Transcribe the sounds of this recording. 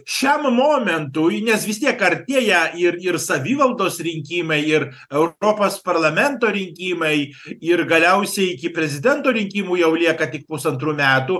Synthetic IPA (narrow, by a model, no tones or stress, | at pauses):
ʃʲɛmmoːmʲɛnt̪ujnʲɛsʋʲɪst̪ʲiɛkɐɾʲt̪ʲeːjɛɪɾɪrsɐʋʲiːʋɐlˠd̪oːsɾʲɪŋʲkʲiːmɐɪɪɾ | ɛʊɾoːpoːspɐɾlˠɐmʲɛnt̪oːɾʲɪŋʲkʲiːmɐɪ | ɪɾɡɐlʲɛʊsʲɛɪɪkʲɪpʲɾʲɛzʲɪd̪ʲɛnt̪oːɾʲɪŋʲkʲiːmuːjɛʊlʲiɛkɐt̪ʲɪk̚pʊsɐnt̪ɾuːmʲæːt̪u